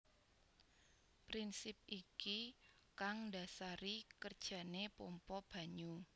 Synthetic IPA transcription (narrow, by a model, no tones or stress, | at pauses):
pɾinsɪp̚iki | kaŋda̤saɾikərd̥ʒ̥a̤nepompɔb̥ä̤ɲu